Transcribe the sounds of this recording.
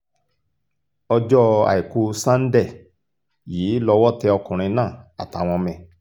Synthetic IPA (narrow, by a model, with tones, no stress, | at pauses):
ɔ˧d͡ʒɔ˦a̰˨i˨ku˧sã˦n̩˦dɛ˦˨ | jiː˨˦lɔ˧wɔ˦tɛ˧ɔ˧kũ˨ɾ̃ĩ˧nãː˦˨a̰˨ta˨w̃ɔ̃˧mɛ̃˧˨